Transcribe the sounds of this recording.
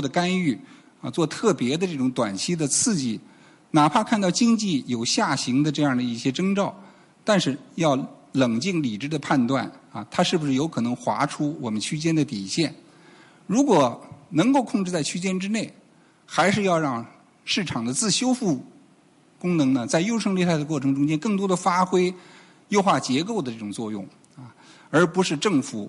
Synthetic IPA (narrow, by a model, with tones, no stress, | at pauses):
d̪ə˩ka˥ny˥˩ | ɐ˧t͡swɔ˥˧t̪ʰɤ˥˩pjɛ˧˥d̪ə˧ʈ͡ʂɤ˥˩ʈ͡ʂʊ˧˥ŋt̪wa˨˩nt͡ɕʰi˥d̪ə˨t͡sʰɹ̩˥˧t͡ɕi˥˩ | na˨˩pʰa˥˧kʰa˥˧nt̪ɑ˥˩ʊt͡ɕi˥ŋt͡ɕi˥˩jo˨˩ʊɕja˥˩ɕi˧˥ŋd̪ə˧ʈ͡ʂɤ˥˧jɑ˥˩ŋd̪ə˩i˥˩ɕjɛ˥ʈ͡ʂɤ˥ŋʈ͡ʂɑ˥˩ʊ | t̪a˥˧nʂɻ̩˥˧jɑ˥˩ʊlɤ˨˩ŋt͡ɕi˥˩ŋli˨˩ʈ͡ʂɻ̩˥d̪ə˧pʰa˥˧nt̪wa̰˥˩nɐ˧˩t̪ʰa˥ʂɻ̩˥˩bu˩ʂɻ̩˥˩jo˧˥ʊkʰɤ˨˩nɤ˧˥ŋxwa̰˧˥ʈ͡ʂʰu˥wɔ˨˩mə˦nt͡ɕʰy˥t͡ɕjɛ˥nd̪ə˨t̪i˨˩ɕjɛ˥˩n | ɻu˧˥kwɔ˨˩nɤ˧˥ŋko˥˧ʊkʰʊ˥˧ŋʈ͡ʂɻ̩˥˧t͡sa˥˩ɪt͡ɕʰy˥t͡ɕjɛ˥nʈ͡ʂɻ̩˥ne˥˩ɪ | xa˧˥ɪʂɻ̩˥˧jɑ˥˧ʊɻɑ˥˧ŋ | ʂɻ̩˥˩ʈ͡ʂʰɑ˨˩ŋd̪ə˦t͡sɹ̩˥˩ɕjo˥ʊfu˥˩ | kʊ˥ŋnɤ˧˥ŋnə˧t͡sa˥˧ɪjo˥ʊʂɤ˥ŋljɛ˥˧t̪ʰa˥˩ɪd̪ə˩kwɔ˥˩ʈ͡ʂʰɤ˧˥ŋʈ͡ʂʊ˥ŋt͡ɕjɛ˥nkɤ˥˩ŋt̪wɔ˥d̪ə˨fa˥xwe˥ɪ | jo˥˧ʊxwa˥˩t͡ɕjɛ˧˥k̬o˥˩ʊd̪ə˩ʈ͡ʂɤ˥˩ʈ͡ʂʊ˨˩ŋt͡swɔ˥˧jʊ̰˥˩ŋ | ɐ˧ | ə˞˧˥pu˧˥ʂɻ̩˥˧ʈ͡ʂɤ˥˩ŋfu˧˩˥